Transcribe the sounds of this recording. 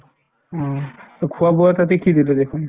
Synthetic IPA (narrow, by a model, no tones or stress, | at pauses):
ɔ̃kʰʊabɔatat̬ekidilɛdekʰʊn